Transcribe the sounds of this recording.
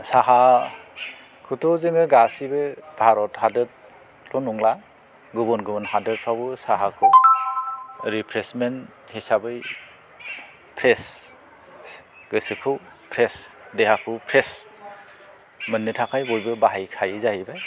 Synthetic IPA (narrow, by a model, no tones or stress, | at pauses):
saɦa | kʰutʰɔzɯŋɯɡasibɯbʱaɾɔthadɯt̚ | lɔnuŋla | ɡubɔnɡubɔnhadɯɾt̚pʰawbɯsaɦakʰɯw | ɾipʰɾesmen | hisabɯj | pʰɾes | ɡɯsɯkʰɯw | pʰɾesdehakʰɯpʰɾes | mɯnːɯtʰakʰajbɔjbɯbaɦajkʰajzaibaj